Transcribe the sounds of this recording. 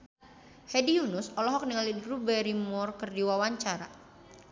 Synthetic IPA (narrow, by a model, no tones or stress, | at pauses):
hɛdiunʊsɔlɔɦɔk̚niŋalidɾubɛɾimɔrkɨrdiwawaɲt͡ʃaɾa̰